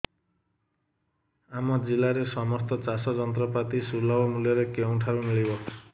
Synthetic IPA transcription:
amɔd͡ʒilaɾesɔmɔst̪ɔt͡ʃasɔd͡ʒɔnt̪ɾɔpat̪isulɔbɔmuljɔɾekew̃ʈʰabumiɭibɔ

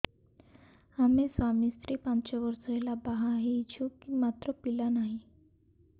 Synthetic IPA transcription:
hamesʋamist̪ɾiːpãnt͡ɕəʋəɾsəelabaɦaɦit͡ɕʰukimat̪ɾəpilanaɦi

